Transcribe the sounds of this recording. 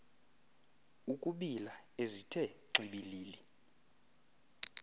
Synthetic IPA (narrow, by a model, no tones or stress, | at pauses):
ukʼuɓilaezitʰɛǁʱiɓiliːli